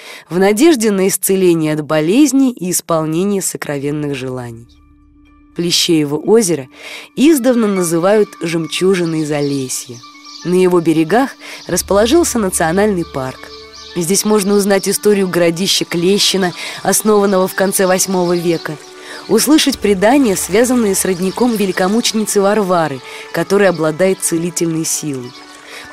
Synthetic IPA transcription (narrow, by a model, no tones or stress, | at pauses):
vnɐdʲe̞ʐdʲɪnəɪst̪sɨlʲenʲɪjəɐd̪bɐlʲezʲnʲɪʔiːspɐlˠnʲenʲɪjəsəkɾʔɐvʲe̞nːɨxʐɨlˠanʲɪj | plʲɪɕːejɪvəʔozʲɪɾəizd̪əvnənəzɨvajʊt̪ʐɨmt͡ɕuʐɨnːɨjɪzɐlʲesʲjɪnəjɪvo̞bʲɪɾʲɪɡaxrəspəlˠɐʐɨlˠsʲənət̪sɨɐnalʲnɨjpark | zʲdʲesʲmo̞ʐnəʊznatʲɪst̪o̞ɾʲɪjʊɡəɾɐdʲiɕːɪklʲeɕːɪnəɐsno̞vənːəvəfkɐnt̪sɛvɐsʲmo̞vəvʲe̞kə | ʊslˠɨʂətʲpɾʲɪd̪anʲɪjəsvʲazənːɨjəsrədʲnʲɪko̞mvʲɪlʲɪkɐmut͡ɕɪnʲɪt̪sɨvɐrvaɾɨkɐt̪o̞ɾɨjɐblˠɐd̪ajɪt̪̚t̪sɨlʲitʲɪlʲnɨjsʲilˠəj